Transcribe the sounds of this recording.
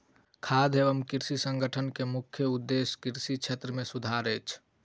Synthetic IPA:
kʰad̪ʱebəmkiɾsisə̃ŋɡəʈʰənkemukʰjəud̪ːeskiɾsit͡ʃʰet̪ɾəmesud̪ʱaɾət͡ʃʰ

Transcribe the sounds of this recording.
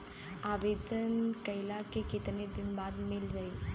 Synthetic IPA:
aːbeːd̪ənkɐjlakekɪt̪ned̪ɪnbaːd̪mɪld͡ʒaeː

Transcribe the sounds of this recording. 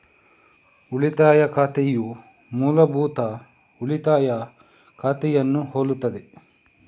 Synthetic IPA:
uɭit̪aːjɐkʰaːt̪eju | muːlɐbuːt̪ɐ | uɭit̪aːjɐ | kʰaːt̪ɛjɐnːuɦoːlut̪ːɐd̪e

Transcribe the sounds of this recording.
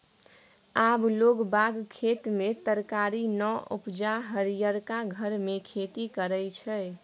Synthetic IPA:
abloɡbaɡkʰet̪met̪əɾkaɾinəṵpd͡ʒaɦəɾijəɾkaɡʱəɾmekʰet̪ikəɾəjt͡ʃʰəj

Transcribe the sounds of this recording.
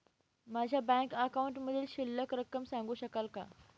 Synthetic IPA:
mad͡ʑʱjabɛ̃ŋkəkauɳʈməd̪ʱiːlɕilːəkɾəkːəmsãŋɡuːɕəkalka̰

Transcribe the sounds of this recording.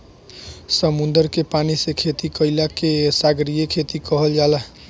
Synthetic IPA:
səmund̪əɾkepanisẽkʰet̪ikəɪlakesaɡɾijekʰet̪ikəɦəld͡ʒala

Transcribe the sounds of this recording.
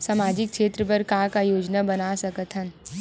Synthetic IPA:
saːmaːd͡ʒɪkʃeːt̪ɾəp̬əɾkãːkajoːd͡ʒnabɐnasɐkət̪ʰən

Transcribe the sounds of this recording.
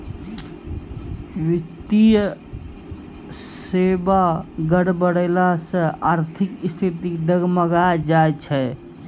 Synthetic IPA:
wit̪ij | sebaɡəɽbəɽelasə̃aɾt̪ʰikist̪ʰit̪iɖ̪əɡməɡad͡ʒaet͡ʃʰɛ

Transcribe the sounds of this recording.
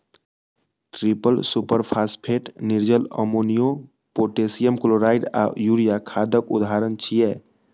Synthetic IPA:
ʈɾipəlsupəɾpʰaspʰeʈniɾd͡ʒələ̰monijo | poʈesijəmkoloɾaiɖa̰juɾijakʰad̪əkud̪ɦaɾənt͡ʃʰijɛ

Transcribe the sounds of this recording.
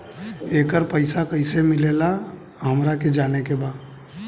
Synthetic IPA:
eːkəɾpəɪsakəɪsemɪleːla | ɦəmɾaked͡ʒaːnekebaːd̪

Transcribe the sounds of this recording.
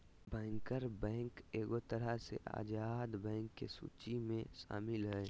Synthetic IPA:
bɛ̃ːŋkəɾbɛ̃ːŋkeːɡot̪əɾəsḛʔa̰ːd͡ʒaːd̪bɛ̃ːŋkːesṵːt͡ʃimẽsa̰ːmɪlɦɛː

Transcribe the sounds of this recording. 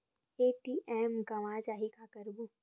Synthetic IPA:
eːʈiːʔɛːmɡɐʋaːd͡ʒaːɦikakəɾbu

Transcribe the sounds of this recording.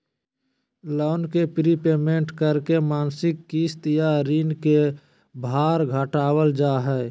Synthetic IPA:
lɔːnkepɾipeːmẽːɳʈkəɾkemaːnsɪkːiːst̪jaɾiːnke | bʱaːɾɡʱəʈaːwəld͡ʒaːɦɛː

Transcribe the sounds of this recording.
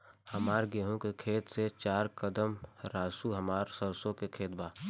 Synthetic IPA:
həmaːɾɡeːɦõkekʰeːt̪set͡ʃaːɾkəd̪əmɾaːsuɦəmaːɾsəɾsõkekʰeːt̪̚baː

